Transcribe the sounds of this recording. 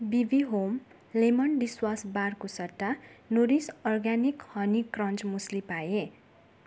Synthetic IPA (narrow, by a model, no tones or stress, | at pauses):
bibiɦom | lemʌnɖiswasbarkosʌt̪ːanoɾisʌrɡanikhʌnikrʌnt͡smuslipaje